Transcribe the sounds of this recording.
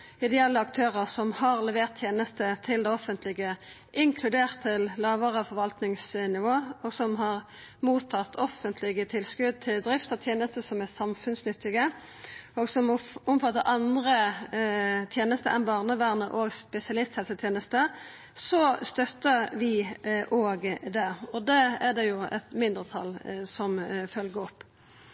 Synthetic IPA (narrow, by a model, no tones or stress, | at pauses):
ɪd̪ɛjɛlːəɑkt̪ʰøːʁəʁsɔmhɑʁlɛʋeːʁt̪ʰjeːnəst̪ət̪ʰɪld̪ɛɔfənt̪lɪɡə | ʔɪŋkʰlʉd̪eːʁt̪ʰːɪllɑːʋəʁəɔfɔʁʋɑlt̪nɪŋsnɪʋoːɔːɡsɔmɦɑʁ | muːt̪ʰːɑt̪ʰːɔfːənt̪ʰlɪɡət̪ʰɪlskʉd̪̚t̪ʰɪld̪ʁɪft̪ət̪ʰjeːnəst̪əsɔmæsɑmfʉnsnʏt̪ːɪɡə | oːɡsɔmɔmfɑt̪ːəɾʔɑnd̪ɾə | t̪ʰjeːnəst̪əʔɛ̰nbɑːʁnəʋæʁnəɾʔoːɡspɛsɪɑlɪst̪hɛlsət̪ʰjeːnəst̪ə | sɔst̪œt̪ːəɾʋɪʔoːɡd̪ɛɔd̪ɛæʁd̪ɛjʊɛ̰t̪mɪnd̪ɾət̪ʰɑ̰lsɔmfœlɡəɔpː